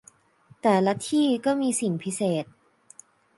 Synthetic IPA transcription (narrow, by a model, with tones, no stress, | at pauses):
t̪ɛː˨˩la˦˥t̪ʰiː˥˩kɔː˥˩miː˧si˨˩ŋpʰi˦˥seː˨˩t̪̚